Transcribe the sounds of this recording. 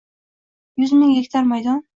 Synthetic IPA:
jʊzmɪŋjekʲt̪ʰaɾmajd̪ɒn

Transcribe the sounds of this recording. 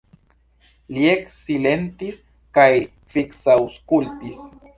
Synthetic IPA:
lieksile̞ntis | kaj | fiksawskultis

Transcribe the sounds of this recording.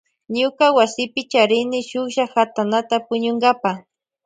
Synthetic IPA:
ɲʊkawasɪpɪt͡ʃaɾɪnɪʃʊkʒahat̪anat̪apʊɲʊŋɡapa

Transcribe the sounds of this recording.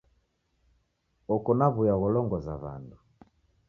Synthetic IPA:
ɔkɔnaβujaɣɔlɔŋɡɔzaβa̰ndu

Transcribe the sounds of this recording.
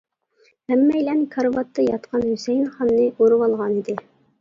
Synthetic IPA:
hæmːɛjlɛnkʰɑɾvɑt̪ːɑjɑt̪qʰɑnhysɛjnχɑnːɨʔoɾɨwɑlˠʁɑnid̪ɪ

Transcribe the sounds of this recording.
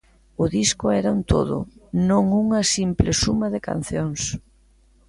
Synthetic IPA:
ʊðiskʊɛɾaunt̪ʰo̰ðʊ̰nõŋuŋɐsimplɪsumɐðɪka̰n̟θjoŋs

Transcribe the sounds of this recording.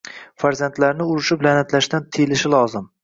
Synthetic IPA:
faɾzant̪laɾnɪʊɾɪʃɪbɪlanat̪laʃt̪ant̪ʰejlɪʃɪlˠɒzɪm

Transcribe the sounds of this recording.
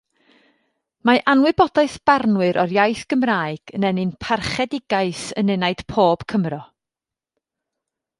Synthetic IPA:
maʔanwɨbɔdaɨθb̥arnwɨɾʔɔrjajθɡ̥əmraːjɡ̥ənɛnɨnpʰarχɛdɪɡaɨsənɛnaɨd̥pʰoːb̥kʰəmrɔ

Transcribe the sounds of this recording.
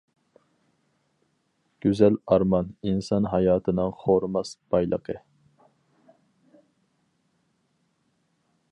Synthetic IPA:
ɡ̥ʲyzɛlɑɾmɑninsɑnɦɑjɑːt̪ʰɨnɨŋχoɾmɑsb̥ɑjlˠə̰qʰə

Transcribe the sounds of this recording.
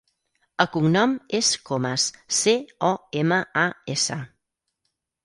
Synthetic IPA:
əkuŋnɔmeskoməsseɔeməaesə

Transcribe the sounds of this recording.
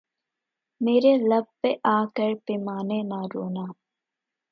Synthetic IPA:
meːɾelɐb̚ːeʔaːkəɾpimaːnenaːɾoːnaː

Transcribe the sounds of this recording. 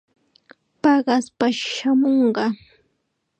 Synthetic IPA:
pɑɢɑspaʃamoɴɢɑ

